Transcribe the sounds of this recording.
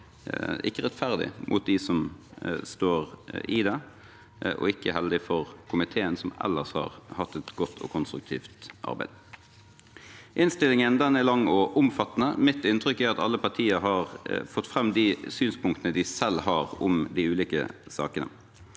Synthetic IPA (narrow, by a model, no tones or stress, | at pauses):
ɪkːəʁɛt̪fæʁd̪ɪ̰mʔʊ̰t̪̚d̪ɪsɔmst̪oːʁɪd̪ɛ | ʔɔ̰ɪkːəhɛld̪ɪfɔʁkʰʊmɪt̪ʰeːənsɔmɛ̰lːəʁshɑ̰ːʁhɑt̪ːɛt̪ɡɔt̪ʰːɔ̰kʰʊnst̪ɾʉk̚t̪ʰḭːft̪ʔɑ̰ʁbæ̰ɪd̪ | ʔɪnst̪ɪlɪŋənd̪ɛnɛlɑŋːɔʔʊmfɑt̪ːənəmɪt̪ɪnt̪ʰɾʏkːæɾɑt̪ɑ̰lːəpɑʁt̪ʰiːəɦɑʁfɔt̪ːfɾɛmːd̪ɪsyːnspʊŋkt̪ənəd̪ɪsɛlːhɑɾʊmd̪ɪʉːliːkə̰sɑ̰ːkənə̰